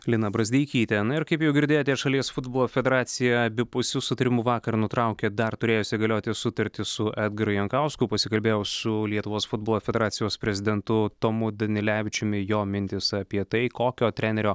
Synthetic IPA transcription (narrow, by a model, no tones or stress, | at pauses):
lʲɪnɐbɾɐzʲd̪ʲiːɪkʲiːt̪ʲɛnʊɪɾkɐɪpjɛʊɡʲɪɾd̪ʲeːjoːt̪ʲɛʃɐlʲiɛsfʊd̪̚boːlˠoːfʲɛd̪ʲɛɾɑːt̪sʲɪjɛɐbʲɪpʊsʲʊsʊt̪ɐɾʲɪmuʋɑːkɐɾnʊt̪ɾɑʊkʲɛd̪ɐɾt̪ʊɾʲeːjoːsʲɪɡɐlʲoːt̪ʲɪsʊt̪ɐɾʲt̪ʲɪsʊʔɛd̪ɡɐɾʊjɛŋkɑʊskʊpɐsʲɪkɐlʲbʲeːjɛʊsʊlʲiɛt̪ʊʋoːsfʊd̪̚boːlˠoːfʲɛd̪ʲɛɾɑːt̪sʲɪjoːspʲɾʲɛzʲɪd̪ʲɛnt̪ʊt̪oːmʊd̪ɐnʲɪlʲæːʋʲɪt͡ʃʲʊmʲɪjoːmʲɪnʲt̪ʲɪsɐpʲiɛt̪ɐɪkoːkʲoːt̪ʲɾʲænʲɛɾʲoː